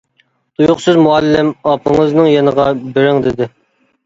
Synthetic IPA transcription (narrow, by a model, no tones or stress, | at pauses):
t̪ujʊqsɨzmuɛlːɪmɑpʰəŋəznɨŋjenəʁɑbɪɾɪŋd̪ɪd̪ɪ